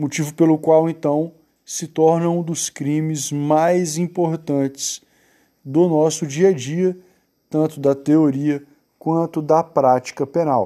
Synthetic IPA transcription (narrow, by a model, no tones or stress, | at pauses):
mot͡ʃivʊpelʊkwawẽnt̪ɐ̃w̃ | sɪt̪ɔɾnɐũd̪ʊskɾĩmɪzmajzĩpoɾt̪ɐ̃t͡ʃɪ̥s | d̪ʊnɔsʊd͡ʒiɐd͡ʒiɐ | t̪ɐ̃t̪ʊd̪ɐt̪eoɾiɐ | kwɐ̃nt̪ʊd̪ɐpɾat͡ʃi̥kɐpenaw